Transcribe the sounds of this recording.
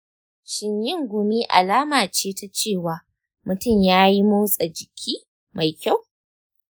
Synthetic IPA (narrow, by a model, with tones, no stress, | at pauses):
ʃɪ˨ɲjɪ˦ŋɡʷʊ˨miː˦ʔa̰˨laː˦maː˨t͡ʃeː˦ta˦t͡ʃeː˦˨waː˨ | mʊ˨tʊ˦˨mjaː˦ji˦mu˦wsʼa˨d͡ʒɪ˨kʲʰiː˦ | ma˨jkʲa˦˨w